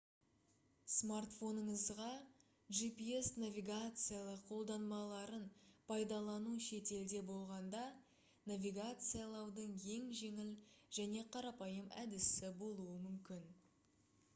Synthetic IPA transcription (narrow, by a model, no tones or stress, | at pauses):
smart̪fo̞nəɴəzʁɑ | ʒipiesnavʲiɡat̪sɨjalˠəqʰːo̞lˠd̪ɑnmɑlˠɑɾənpʰɑjd̪ɑlˠɑnuʃe̞t̪e̞ld̪e̞bo̞lˠʁɑnd̪ɑ | navʲiɡat̪sɨjalˠɑwd̪əɴe̞ŋʒe̞ŋɪlʒæne̞qʰɑɾɑpɑjəmæd̪ɪsɪbo̞lˠuəmʏmkʲɪn